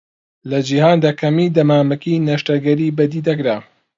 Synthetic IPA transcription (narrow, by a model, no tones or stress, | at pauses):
lɐd͡ʒihaːnd̪aːkʰɐmiːd̪ɐmaːmɐkinɐʃtɐɡɐɾiːbɐd̪iːd̪ɐkɾaː